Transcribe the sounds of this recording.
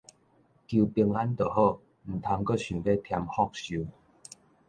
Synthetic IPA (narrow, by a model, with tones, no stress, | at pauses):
kju˧pi˧əŋa˦nt̪ə˨˩ho˥˧ | m̩˨˩t̪ʰa˧ŋkə˥˨ɕũ˨˩be˦t̪ʰja˧mhɔ˥˧k̚ɕu˨˧˦